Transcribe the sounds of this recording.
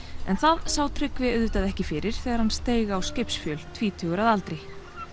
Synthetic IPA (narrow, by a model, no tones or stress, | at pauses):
ɛnθaðsaːwt̪ʰɾʏkvɪʏðvʏt̪aðɛhcɪfɪːɾɪɾ̥θɛːɣaɾ̥hanst̪eːjɣaːwscɪpsfjœːl̥t̪ʰviːt̪ʰʏːɣʏɾaðalt̪ɾɪj